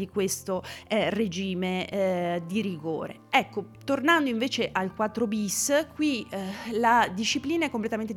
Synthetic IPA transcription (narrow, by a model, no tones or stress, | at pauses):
ikwest̪ored͡ʒiːme | d̪iɾiɡo̰ːɾḛ | ɛkːo | t̪ornand̪oiɱveːt͡ʃeʔalkwat̪ːɾobiskwilad̪iʃːipliːnaɛkːomplet̪ament̪e